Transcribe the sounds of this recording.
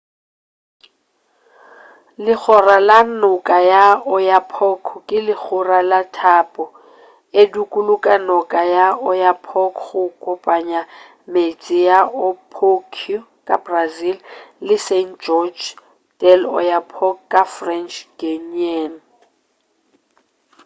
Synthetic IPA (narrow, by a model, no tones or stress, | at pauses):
lɪk͡xʰɔralanʊkʼajaɔjapʰɔkʰɔkʼɪlɪk͡xʰʊralatʰapʼɔ | edukʼulʊkʼanɔkʼajaɔjapʰɔkʰχʊkʼʊpʼaɲa | met͡sʼɪjaʊpʰokʰiu | kʼabrazillɪsend͡ʒɔd͡ʒ | dʼɛlɔ̰japʰɔkkʼːafrɛnt͡ʃɡ̥enɛn